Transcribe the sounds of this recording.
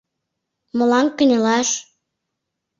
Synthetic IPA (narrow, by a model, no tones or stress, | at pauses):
mɤ̆lɑŋkə̆nʲelɑʃ